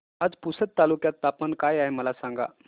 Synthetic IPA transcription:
ad͡zpusət̪̚t̪alukjat̪ːapənkajaɦeməlasãŋɡa̰

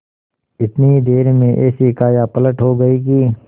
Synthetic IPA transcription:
ɪt̪nid̪eːɾmẽʔɛːsikaːjapɐləʈɦoːɡɐikiː

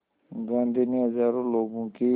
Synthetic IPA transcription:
ɡãːnd̪iniːɦəzaːɾõːloːɡõːki

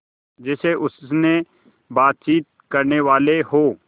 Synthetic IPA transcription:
d͡ʒɛseʔʊsne | baːt̪̚t͡ʃiːt̪̚kɐɾneʋaːleɦoː

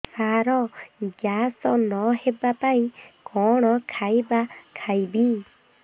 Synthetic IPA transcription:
saɾɔɡjasɔnɔɦebapaĩkɔɽ̃ɔkʰajbakʰajbi

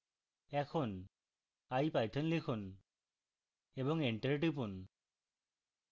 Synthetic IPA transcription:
ɛkʰʊn | ajpajt̪ʰɔnlikʰʊn | ebɔŋeɳʈeɾʈipun

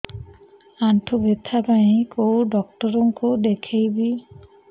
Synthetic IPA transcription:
aɳʈʰobet̪ʰapajekowɖɔk̚ʈɔɾɔŋkud̪ekʰejbi

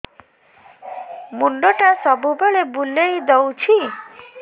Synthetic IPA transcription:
muɳɖoʈasɔbubeɭebulejd̪owt͡ʃʰi

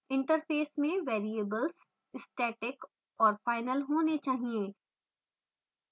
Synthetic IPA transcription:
ɪ̃ɳʈəɾfeːsmẽʋeːɾiebəlz | ɪsʈeːʈɪk | ɔːɾfaːɪnəlɦoːnet͡ʃaːɦieː

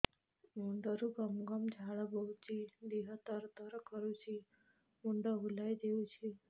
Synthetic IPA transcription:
muɳɖəɾuɡəmɡamd͡ʑʱaɭabəwt͡ɕid̪iɦət̪əɾt̪əɾkəɾut͡ɕi | muɳɖəɦulajd̪eut͡ɕʰi

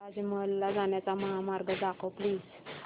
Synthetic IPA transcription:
ad͡ʑiməlːad͡zaɳjat͡saməɦamaɾɡəd̪akʰəpliːd͡z

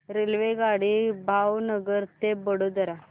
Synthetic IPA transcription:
ɾelʋeɡaɽibʱawnəɡəɾt̪ebəɽod̪əɾa

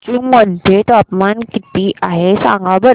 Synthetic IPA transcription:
t͡ɕũməd̪ʱjet̪apmankit̪iʔaɦesã̰ŋɡabəɾ

